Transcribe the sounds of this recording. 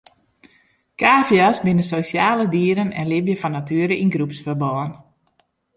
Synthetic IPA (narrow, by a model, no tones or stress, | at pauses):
kaːfjasbɪnəsosjaːlədiəɾənɛ̰nlɪbjəfɔnːatyəɾəinɡrupsfərbɔːən